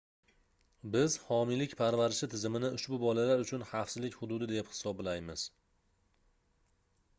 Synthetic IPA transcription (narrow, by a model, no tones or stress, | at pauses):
bɪzhɒmilɪkʲpʰaɾvaɾɪʃɪt̪ʰɪzɪmɪnɪʊʃbʊbɒlalaɾʊt͡ʃʰʊnhafsɪzlɪkʲhʊd̪ʊd̪ɪd̪e̞phɪ̥sɒblajmɪz̥